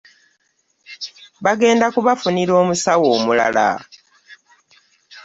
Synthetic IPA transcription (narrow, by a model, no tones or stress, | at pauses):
βaɡe̞ːndakuβafuniɾo̞ːmusawo̞ːmula̰la̰